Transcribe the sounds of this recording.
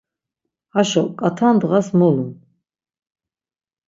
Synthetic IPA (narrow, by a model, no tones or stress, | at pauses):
haʃɔkʼat̪ʰand̪ʁasmɔlun